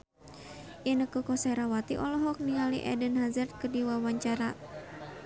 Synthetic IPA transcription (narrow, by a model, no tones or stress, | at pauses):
ʔinəkukɔsɛɾawat̪iʔɔlɔɦɔk̚niŋaliʔɛ̰dənɦazɛrt̪̚kədiwawaɲt͡ʃaɾa